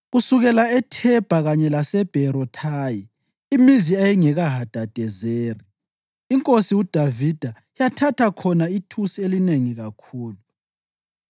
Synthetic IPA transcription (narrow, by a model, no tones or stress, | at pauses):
ɣusuɣɛlaɛtʰɛb̥ʱaɣaɲɛlasɛb̥ʱɛɾɔtʰaːji | imiziajiŋɛɣaɦad̥ʱad̥ʱɛzeːri | iŋkʼosiud̥ʱavid̥ʱa | ijatʰatʰakʰɔnaitʰusielineŋiɣakʰuːlu